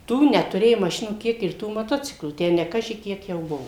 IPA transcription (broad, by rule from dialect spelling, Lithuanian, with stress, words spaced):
ˈtuː nʲɛtʊˈrʲeːjʊ mɐˈʃʲɪnuː ˈkʲiɛk ɪr ˈtuː mɐˈtoːt͡sʲɪklˠuː ˈtʲæː nʲɛ ˈkɑːʒʲɪ ˈkʲiɛk jɛʊ ˈbʊʋoː